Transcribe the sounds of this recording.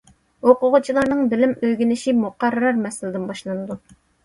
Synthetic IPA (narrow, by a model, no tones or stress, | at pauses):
oqʊʁʊt͡ʃʰilˠɑɾnɨŋbɪlɪmøjɡʲinɪʃimuqʰɑrːɑɾmɛsɪlɪd̪ɪnbɑʃlˠɑnɨd̪u